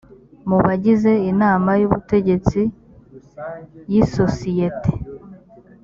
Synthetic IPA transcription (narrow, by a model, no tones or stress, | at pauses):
muβaɟize̞inaːmajuβṵte̞ɟe̞t͡si | jisosijete̥